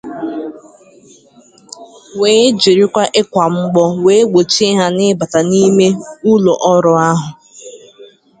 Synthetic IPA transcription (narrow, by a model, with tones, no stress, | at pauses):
weː˨˦d͡ʒi˨ɾi˦kʷa˦ʔɪ˦kʷa˨m̩˦ɡ͡bɔ˦we˦ɡ͡bo˨t͡ʃi˦ɦa˦nɪ˦ba˨ta˨ni˦me˦u˦lo˨ʔɔ˦ɾʊ˨a˦ɦʊ˨